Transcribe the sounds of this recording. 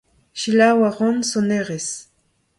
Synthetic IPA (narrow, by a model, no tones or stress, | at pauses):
ʃilawaʁɔnsoneʁes